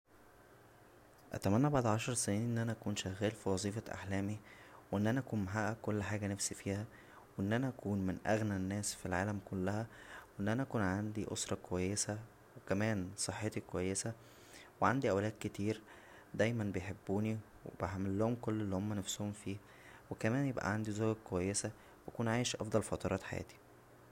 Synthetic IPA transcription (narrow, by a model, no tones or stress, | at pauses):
ʔæ̰t̪æmænːæʔbaʕd̪ʕɑʃɑɾˤsæniːnʔenːʔænæʔækuːnʃæɣːæːlfiwɑzˤiːfæʔa̰ħlæːmiweʔenːʔænæʔækuːnmæħaʔækolːħaːɡænæfsifiːhæ | weʔenːʔænæʔækuːnmenʔæ̰ɣnænːæːsfilʕaːlæmkolːæhæweʔenːʔænæʔækuːnʕand̪iʔo̰sɾˤɑkowæjːesæ | wekæmæːnsˤeħːet̪ikowæjːesæ | weʕand̪iʔæwlæːd̪̚ket̪iːɾ | d̪æjmænbejħebːuːni | wḛbeħamelːohomkolːelːihomːænæfsohomfiː | wekæmæːnjebʔæ̰ʕand̪izoːjkowæjːesæ | weʔækuːnʕaːjeʃʔɑ̰fd̪ˤɑlfɑt̪ˤɑɾˤɑːt̪ħajæ̰ːt̪i̥